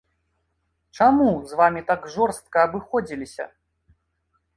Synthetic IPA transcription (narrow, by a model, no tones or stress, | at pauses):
t͡ʂamuzvamʲit̪aɡʐɔrst̪̚kɐːbɨxɔd͡zʲilʲisʲɐ̰